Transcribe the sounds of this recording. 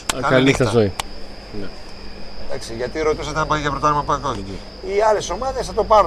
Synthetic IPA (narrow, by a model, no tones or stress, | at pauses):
ɐkɐlixθɐsoi | ne | t̪ɐ̰ksiʝɐt̪iɾo̞t̪isɐt̪enɐpɐðiʝɐpɾot̪ɐɾimɐpɐnðoðici | iɐle̞so̞mɐðe̞sθɐt̪o̞pɐɾ